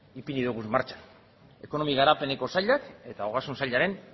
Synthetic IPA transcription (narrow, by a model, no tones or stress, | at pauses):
ipiniðuɣuzmaɾt͡ʃḁ | e̞ko̞no̞miɣaɾape̞ne̞ko̞saʎake̞t̪aoɣasunsaʎaɾe̞n